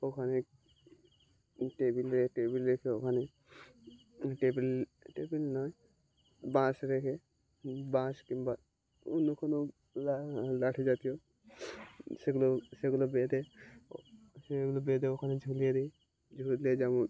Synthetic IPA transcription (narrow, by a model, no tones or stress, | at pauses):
okʰane | ʈebilɾeʈebilɾekʰeokʰane | ʈebilʈebilnɔj | bãsɾekʰe | bãskimba | unːokʰono | lalaʈʰed͡ʒat̪ijo | seɡuloseɡulobed̪e | seɡulobed̪eokʰaned͡ʒʱulijed̪e | d͡ʒʱuɾled͡ʒamõ